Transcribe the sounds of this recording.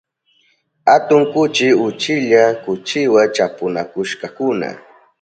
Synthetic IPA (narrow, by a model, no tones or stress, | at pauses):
hat̪ʊŋkʊt͡ʃɪʊt͡ʃɪʎakʊt͡ʃɪwat͡ʃapʊnakʊʃkɑkʊna̰